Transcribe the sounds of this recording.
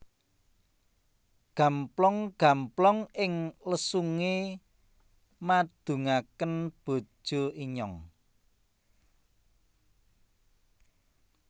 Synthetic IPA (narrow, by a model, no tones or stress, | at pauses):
ɡ̥ä̤mplɔŋɡ̥a̤mplɔŋɪŋləsuŋe | mad̪̥ṳŋakənb̥o̤̥ʒ̥o̤iɲɔŋ